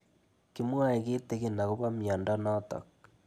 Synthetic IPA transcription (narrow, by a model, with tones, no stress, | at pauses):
ki˦mwa˦e˨ɣeː˦te˦ɣe˦na˨ɣo˦βa˦mja˨nda˦nɔ˦tɔ̰˨k̚